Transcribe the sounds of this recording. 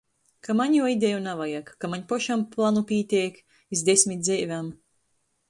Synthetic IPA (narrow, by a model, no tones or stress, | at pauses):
kamaɲjuɔid̪ʲejunavajakkamaɲpɔʃamplˠanupʲiɛt̪ʲiɛk | izd̪esʲmʲit̪d̪zɛjvʲam